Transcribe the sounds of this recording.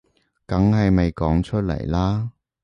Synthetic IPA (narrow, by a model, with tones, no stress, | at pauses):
kɐ˨˥ŋɦɐ˨jme˨jkɔː˨˥ŋt͡ʃʰɵ˥t̚lɐ̰˨˩jlaː˥